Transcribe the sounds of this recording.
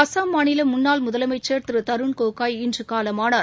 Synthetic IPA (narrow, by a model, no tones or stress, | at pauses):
ɐsaːmːaːnɪlɐmʊnːaːlmʊðɐlɐmɐɪt͡ʃːeːɾt̪ɯɾɯt̪ɐɾɯɳkoːkaːjɪndrɯkaːlɐmaːnaːɾ